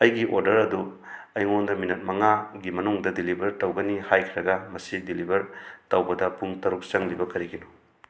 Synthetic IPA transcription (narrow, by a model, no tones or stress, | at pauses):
ɐjɡiʔoɾdɐɾɐdu | ɐjŋondɐminɐt̚mɐŋaɡimɐnuŋdɐdilibʱɐɾtɐwɡɐnihajkʰiɾɐɡɐmɐsidilibʱɐɾtɐwbɐdɐpuŋtɐɾuk̚sɐŋlibɐkɐɾiɡinu